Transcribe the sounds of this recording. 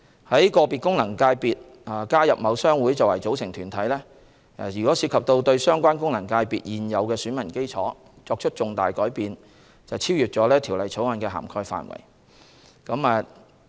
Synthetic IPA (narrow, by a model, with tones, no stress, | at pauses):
hɐ˨˥jkɔː˧piː˨t̚kʊ˥ŋnɐ˨˩ŋkaː˧jpiː˨t̚ | a˨˩kaː˥jɐ˨p̚mɐ˨˧wsœː˥ŋwuː˨˥jt͡sɐ˨wɐ˨˩jt͡so˨˥wsɪ˨˩ŋt̪ʰyː˨˩nt̪ʰɐ˨˥jlɛː˥˨ | jyː˨kɔː˨˥si˧kʰɐ˨p̚t̪o˧wt̪ɵ˧ɥsœː˥ŋkʷaː˥nkʊ˥ŋnɐ˨˩ŋkaː˧jpiː˨t̚jiː˨njɐ˨˧wkɛː˧syː˨˥nmɐ˨˩nke˥jt͡sʰɔː˨˥ | t͡sɔː˧k̚t͡ʃʰɵ˥t̚t͡ʃʊ˨ŋt̪a̰ː˨jkɔː˨˥jpiː˨˧n | t͡sɐ˨wt͡sʰiː˥wjyː˨t̚t͡sɔː˨˥lɛː˥t̪ʰi˨˩wlɐ˨˩jt͡sʰo˨˥wɐ˨˧nkɛː˧ɦa̰ː˨˩mkʰɔː˧jfa̰ː˨˧nwɐ̰˨˩j | kɐ˨˥maː˨˧